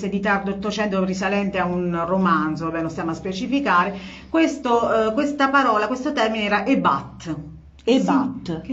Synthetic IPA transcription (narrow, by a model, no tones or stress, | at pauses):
sed̪it̪ard̪oɔt̪ːot͡ʃɛnt̪opeɾisalɛnt̪eaunromant̪zoabɛnlost̪jaːmaspet͡ʃifikaːɾe | kwest̪okwest̪apaɾɔːlakwest̪ot̪ɛrmineɛːɾaʔeba̰t̪ː | at̪